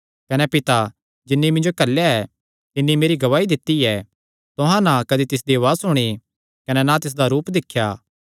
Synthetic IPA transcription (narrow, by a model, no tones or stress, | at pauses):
kɐnɛpɪt̪a | d͡ʒɪnːimɪ̃nd͡ʒokɐlːjaɛ | t̪ɪnːimeːɾiɡɐʋaːid̪ɪt̪ːiɛ | t̪ʊɦãnãkɐd̪it̪ɪs̬d̪iɐʋaːsʊɽ̃i | kɐnɛnat̪ɪs̬d̪aɾuːpd̪ɪkʰːjaː